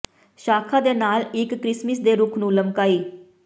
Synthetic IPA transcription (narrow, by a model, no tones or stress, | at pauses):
ʃaːkʰãːd̪eːnaːlɪkːɾɪsməsd̪eːɾuːkʰnũːləmkaːiː